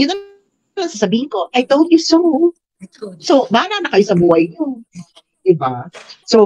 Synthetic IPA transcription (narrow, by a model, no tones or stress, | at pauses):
jʊnːɐ | laŋsɐsɐbiːhɪnko̞ʔajt̪old̪jʊso | sobaːlanɐkɐjosɐbuːhɐjɲo | d̪ɪbaso